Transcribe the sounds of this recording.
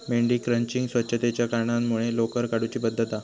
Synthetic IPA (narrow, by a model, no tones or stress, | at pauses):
meɳɖiːkɾəɲt͡ɕiŋɡsʋətːɕʰət̪et͡ɕjakaɾɳanmuɭelokəɾkaɽut͡ɕiːbəd̪ʱːət̪a